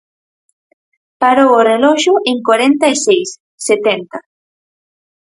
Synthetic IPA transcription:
paɾoworelɔʃʊʔeŋkwaɾent̪aesejsː | et̪ent̪a

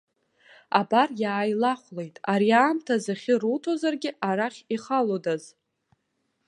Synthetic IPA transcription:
abarjaːjlaχʷle̞jtʼaɾiaːmtʰazaχʲɪrutʰo̞zarɡʲɪʔaɾaχʲiχalodaz

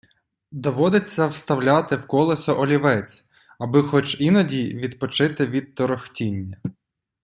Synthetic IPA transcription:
d̪ɔʋɔd̪ɪt͡sʲːɐwst̪ɐwlʲat̪ɪwkɔlˠɔsɔʔɔlʲiʋɛt͡sʲ | ɐbɪxɔt͡ʃinɔdʲiʋʲid̪pɔt͡ʃɪt̪ɪʋʲid̪̚t̪ɔɾɔxtʲinʲːɐ

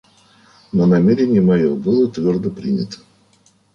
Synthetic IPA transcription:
nənɐmʲeɾʲɪnʲɪjəmɐjobɨlˠət̪vʲord̪əpɾʲinʲɪ̰t̪ə̥

